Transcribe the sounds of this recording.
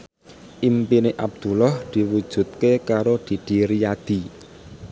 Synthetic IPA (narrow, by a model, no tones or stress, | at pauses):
ʔimpineʔab̚d̪̥ṳlɔhd̪̥i̤wud̥ʒ̥ṳt̪̚kekaɾod̪̥i̤d̪̥i̤ɾijad̪̥i̤